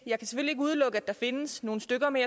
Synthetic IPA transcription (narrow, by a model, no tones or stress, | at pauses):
jɑ̈ɪkʰæse̥føl̰ieɡ̥uð̞ˠlɔ̽ɡ̥əæd̥ɑ̈fe̝nəsno̝ːn̩sd̥øɡ̥ɐme